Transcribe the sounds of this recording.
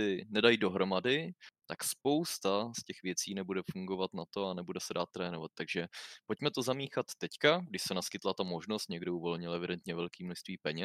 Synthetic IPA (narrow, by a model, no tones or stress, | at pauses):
ɪnɛdajido̞ɦɾo̞madɪt̪akspo̞wst̪ascɛxvjɛt͡siːnɛbudɛfuŋɡo̞vat̪nat̪o̞anɛbudɛsɛdaːt̪ːɾɛːnovat̪̚t̪ːaɡʒɛpo̞cmɛt̪o̞zamiːxat̪ːɛckaɡdɪʃsɛnaskɪt̪lat̪amo̞ʒnost̪̚ɲɛɡdɪuvo̞lɲɪlɛvɪdɛnt̪ɲɛvɛlkiːmnoʃst̪viːpɛɲɛ